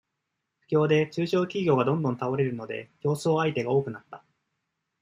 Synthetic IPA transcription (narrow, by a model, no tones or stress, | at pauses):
ɸɯ̟̥kʲo̞ːd̪e̞t͡ɕɨːɕo̞ːkʲiɡʲoːɡad̪õ̞nd̪õ̞nt̪ao̞ɾe̞ɾɯ̟no̞d̪e̞̰çʲo̞ːso̞ːait̪e̞ɡao̞ːkɯ̟nat̪ːa